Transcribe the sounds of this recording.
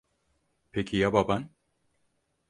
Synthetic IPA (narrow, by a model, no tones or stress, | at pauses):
pʰekʰijababan